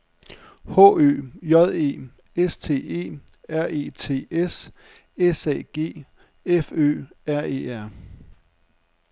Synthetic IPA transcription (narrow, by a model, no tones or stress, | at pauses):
hɔ̰̽ø̰ːjɒ̽ð̞ˠe̝̰ː | est͡sʰe̝̰ːe̝̰ː | æɐ̰e̝ːt͡sʰe̝̰ːes | esɛ̰ːɡ̥e̝̰ː | efø̰ːæɐ̰e̝̰ːæɐ̰